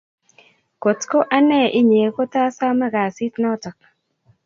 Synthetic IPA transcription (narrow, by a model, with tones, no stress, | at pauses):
ko˨tko˦ʔa˦nɛ˦˨ʔɪ˦ɲe˨ko˦ta˦sa˦mɛ˦ɡa˨si˦tnɔ˦tɔ˨k̚